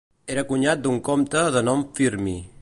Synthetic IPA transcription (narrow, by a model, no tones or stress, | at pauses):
eɾəkuɲat̪̚d̪uŋkomt̪əðənɔmfiɾmi